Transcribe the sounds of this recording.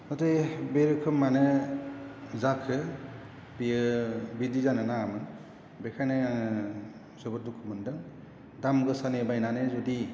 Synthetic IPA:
nɔtɯjbeɾɯkʰɯmːanɯ | zakʰɯ | bijɯbidizanɯnaːmɯ | bekʰajnɯ | zɯbɯdukʰɯmɯndɯŋ | damɡɯsanebajnanɯzɔdi

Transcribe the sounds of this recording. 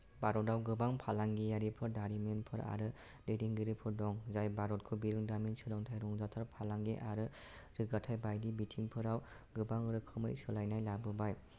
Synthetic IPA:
baɾɔtawɡɯbaŋpʰalaŋɡijaɾipʰɯɾdaɾimenpʰɯɾa̰ɾɯ | dediŋɡɯɾipʰɯɾdɔŋzajbaɾɔt̚kʰubiɾɯŋdaminsɯlɔŋtʰajɾɔŋzatʰaɾpʰalaŋɡḛʔaɾɯ | ɾɯɡatʰajbajdibitʰiŋpʰɯɾaw | ɡɯbaŋɾɯkʰɯmɯ̰jsɯlajnajlabɯbaj

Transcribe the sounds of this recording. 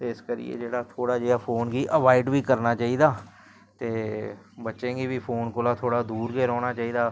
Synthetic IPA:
t̪eːɪskəɾḭjḛːd͡ʒeːɽaːt̪ʰoːɽaːd͡ʒeːaːpʰoːnɡiːʔəʋaːɪɖʋiːkəɾnaːt͡ʃaːiːd̪aː | t̪eː | bətːʃẽːɡiːʋiːpʰoːnkoːlaːt̪ʰoːɽaːd̪uːɾɡeːɾɔːɽ̃aːt͡ʃaːiːd̪aː

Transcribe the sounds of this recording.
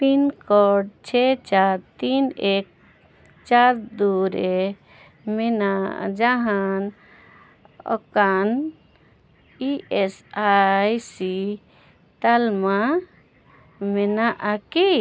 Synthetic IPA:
t̪inkɔɖt͡ʃʰet͡ʃaɾt̪inek̚ | t͡ʃaɾd̪uɾe | mena̰d͡ʒaɦan | ɔ̰kan | iʔesajsi | t̪alma | menaʔaki

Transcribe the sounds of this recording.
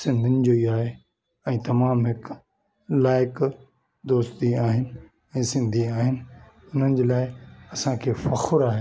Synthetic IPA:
sɪ̃nd̪ʱɪnɪ̆d͡ʑoːiaːɦe | ɛ̃ːt̪ɐmaːmɦɪk | laːɪk | d̪oːst̪iaːɦɪnɪ̆ | ɛ̃ːsɪ̃nd̪ʱiaːɦɪnɪ̆ | ʊn̤ənɪ̆d͡ʑeːlaːɪɐsãkʰeːfɐxʊɾaːɦe

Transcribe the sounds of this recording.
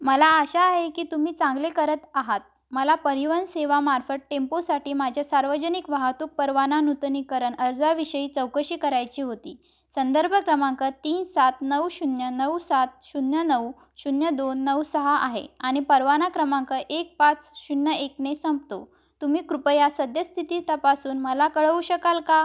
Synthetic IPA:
məlaːɕaːɦekiːt̪umiːt͡sãŋɡlekəɾət̪aɦat̪̚ | məlapəɾiʋənseʋamaɾfəʈ̚ʈemposaʈiːmad͡ʑʱjasaɾʋəd͡ʑənikʋaɦat̪uːk̚pəɾʋananut̪nikəɾəɳəɾd͡zaʋiɕəiːt͡səwkəɕiːkəɾajt͡ɕiːɦot̪ḭː | sənd̪əɾbʱəkɾəmãŋkət̪iːnsat̪nəwɕunjənəwsat̪̚ɕunjənəw | ɕunjəd̪onːəwsəɦaʔaɦḛaɽ̃ipəɾʋanakɾəmãŋkəʔek̚pat͡sɕunːjəeknesəmp̚t̪o̰ | t̪umiːkɾupəjasəd̪jəst̪ʰit̪it̪apasuːnməlakəɭʋuɕəkalka

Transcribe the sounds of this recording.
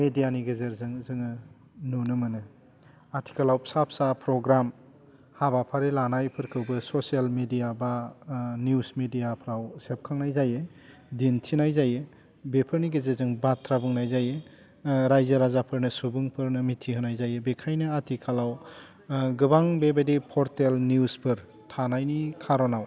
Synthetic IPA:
medijaniɡezeɾzɯŋzɯŋɯ | nunɯmɯnɯ | atʰi̥kʰalawsap̚sapʰɾɔɡɾam | habapʰaɾelanajpʰɯɾkʰɯwbɯsɔsialmedijabanjusmedijapʰɾawsep̚kʰaŋnajzaje | dintʰinajzaje | bepʰɯɾniɡezezɯŋbatʰɾabɯŋnajzaje | ɾajzaɾazapʰɯɾnɯsubɯŋpʰɯɾnɯmitʰiɦɯnajzajebekʰajnɯatʰikʰalaw | ɡɯbaŋbebadipʰɔɾtelniuspʰɯɾ | tʰanajnikʰaɾɔnaw

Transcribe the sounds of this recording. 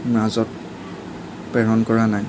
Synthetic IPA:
mɹazɔt̚ | pɛɹɔnkɔɹanaj

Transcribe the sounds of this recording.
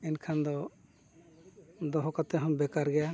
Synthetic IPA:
inkʰand̪ɔ | d̪ɔɦɔkat̪ɛɦɔmbɛkaɾɡɛja

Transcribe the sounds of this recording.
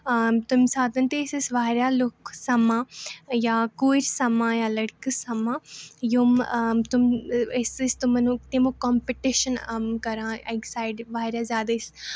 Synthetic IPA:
t̪ʊmsaːd̪ɐnt̪eːsɐsʋaːɾʲjalʊksɐmãːjaːkuːɾsɐmãːjaːlɐɽkəsɐmãːjumt̪ʊmɪsist̪umɐnũt̪imokɔːmpiʈiʃənkɐɾãːeksaːɪɖʋaːɾjazjaːd̪aɪs

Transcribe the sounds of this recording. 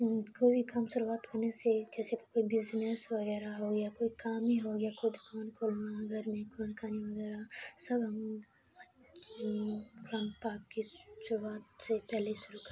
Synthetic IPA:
koːbikɐmsʊɾuaːt̪kɐɾnesed͡ʒɛːseki̥koːibɪznesʋɐɡɛːɾaɦoɡjakoːikaːmiɦoɡjakoid̪ʱkoːnkʰoːlnaɡʱəɾmẽkoːnkaːmiʋɐɡɛːɾasɐbɦɐm | kʊɾaːnpaːkːiʃʊɾuaːt̪̚sepɛɦleiʃʊɾukɾ

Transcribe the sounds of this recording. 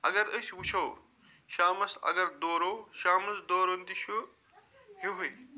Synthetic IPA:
ɐ̰ɡɐɾəswut͡ʃʰɐw | ʃaːmɐsɐ̰ɡɐɾd̪oːɾowʃaːmɐsd̪oːɾond̪iʃu | ɦiɦuj

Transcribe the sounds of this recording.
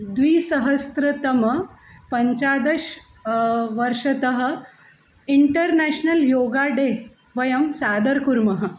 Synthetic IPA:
d̪ʋiːsəɦəst̪ɾɐt̪əmə | pəɲt͡ɕad̪əɕ | ʋəɾʂɐt̪əɦə̆ | iɳʈəɾnæɕnəljoɡaɖe | ʋɐjɐmsaːd̪əɾkuɾmɐɦə̆

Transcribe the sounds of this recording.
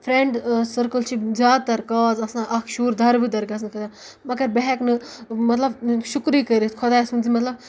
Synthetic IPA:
pʰɾẽɳɖsəɾkəlʃʰipzjaːd̪̚t̪ɐɾkaːzɐsãːʔɐkʰʃuːɾd̪ʱɐɾbid̪ɐɾɡɐs̬nɨkʰɐd̪a | mɐɡɐɾbeɦɛknɨmɐt̪lɐbʃukɾikəɾit̪kʰɔd̪aːsũnd͡zimɐt̪lɐb

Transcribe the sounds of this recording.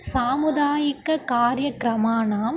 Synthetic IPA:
saːmʊd̪aːjɪkːɐkaːɾjɐkɾɐmaːnaːm

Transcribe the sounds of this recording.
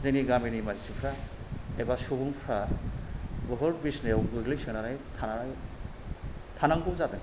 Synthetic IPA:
zeŋniɡaminimazisipʰɾa | ebasubɯŋpʰɾa | bɔɦɔɾbisnejawɡɯɡlijsɯŋnaɾajtʰanaɾaj | tʰanaŋbuzatɯŋ

